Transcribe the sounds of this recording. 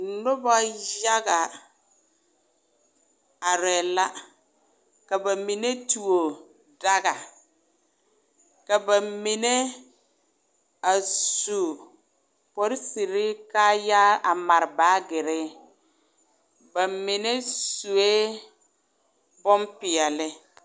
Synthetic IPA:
nʊ˦ba˦ja˦ɣa˨ | a˨ɾɛ˨la˦ | ka˨ba˨mi˨ne˦tu˨o˨ | da˦ɣa˨ | ka˨ba˨mi˨ne˦ | a˨su˨ | pɔ˦ɾɪ˦si˨ɾɪ˦kaː˦ja˦a˨ma˨ɾɪ˨baː˨˦ɡɪ˨ɾɪ˦ | ba˨mɪ˨ne˦su˨e˦ | bɔ˦mpɪ˨ɛ˨lɪ˦

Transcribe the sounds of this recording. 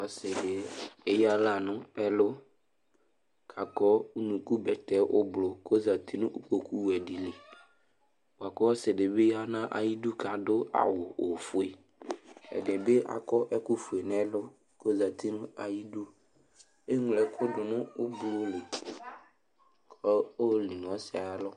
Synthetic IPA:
a˨sɪ˨de˨e˦ja˦la˦˨nʊ̃˦ɛ˨lʊ˦ | kʰa˨kɔ˦u˦nũ˨ku˦bɛ˨t̪ɛ˨ʔʊ˦blʊ˨ko˦za˨t̪i˦nʊ̃˦ʔu˦ko˨ku˦wɛ˨di˨le˨ | o˨a˨kɔ˦wɔ˦sɪ˨de˨be˦ja˦nã˦ʔa̰˨ji˦du˦ka˨dʊ˦a̰˨wʊ˨o˨fʊ˨e˨ | ɛ̰˨de˨be˦ʔa̰˨kɔ˦ʔɛ˦kʊ˦fu˨e˨n˦ɛ˦lʊ˦ | ko˦za˨t̪ʰi˦nʊ̃˦a˨ji˦du˦ | e˦ŋ˨lɛ˨kʰʊ˦dʊ˨nʊ̃˦ʊ˦blʊ˦le˨ | kʰɔ˦o˦˨li˨n˨ɔ˨˦sɪ˨a˨a˦lɔ˦

